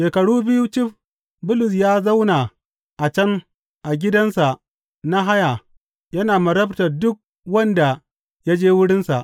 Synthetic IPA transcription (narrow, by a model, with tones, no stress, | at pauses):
ʃeː˨kɐ˨ɽuː˦bɪ˦ju˦t͡ʃɪ˦ɸ | bʊ˦lʊ˨s̬jaː˦za˦wna˨ | ʔa˨t͡ʃɐ˦ŋ | ʔa˨ɡʲɪ˦dɐ˦nsa˨ | na˦ɦa˦ja˨ | jɐ˦naː˨mɐ˨ɾɐ˦btɐ˨rdʊ˦k̚ | wɐ˦nda˨ | ja˦d͡ʒeː˦wʊ˦ɽɪ˦nsa̰˨ʔ